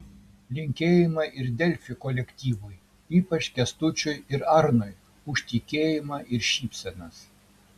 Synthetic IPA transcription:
lʲɪŋʲkʲeːjɪmɐʔɪɾd̪ʲɛlʲfʲɪkɔlʲɛkʲt̪ʲiːʋʊj | iːpɐt͡ʃkʲɛst̪ʊt͡ʃʲʊjɪɾɑɾnɔj | ʊʃʲt̪ʲɪkʲeːjɪmɐʔɪɾʃʲiːpʲsʲɛnɐs

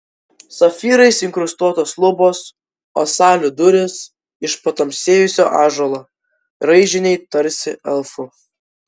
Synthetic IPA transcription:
sɐfʲiːɾɐɪsɪŋkɾʊst̪uɔt̪oːslˠʊboːs | o̰ːsɑːlʲʊd̪ʊɾʲɪs | ɪʃpɐt̪ɐmʲsʲeːjʊsʲoːʔɑːʒoːlˠoː | ɾɐɪʒʲɪnʲɛɪt̪ɐɾʲsʲɪɛlˠfʊ

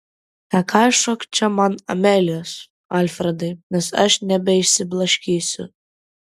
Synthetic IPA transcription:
t̪ɐkʰɑjʃɔkt͡ʃʰʲɛmanɐ̰mʲɛlʲɔs | alʲfɾɛd̪ɐjnʲɛsɐ̰ʃnʲɛbʲɛjʃsʲɪblˠɐʃʲkʲiːsʲʊ̰

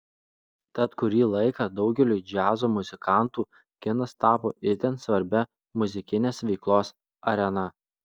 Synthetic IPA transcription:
t̪ɐt̪kʊɾʲiːlˠɐɪkɐd̪ɒʊɡʲɛlʲuːd͡ʒʲæːzoːmʊzʲɪkɑˑnt̪uː | kʲɪnɐst̪ɑːpo̰ːɪɾt̪ʲɛnsʋɐɾʲbʲɛ | mʊzʲɪkʲɪnʲeːsʋʲɛɪklˠoːs | ɐɾʲɛnɐ

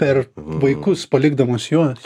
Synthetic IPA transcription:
pʲɛɾʋɐɪkʊspɐlʲɪɡd̪ɐmuːsjuɔs

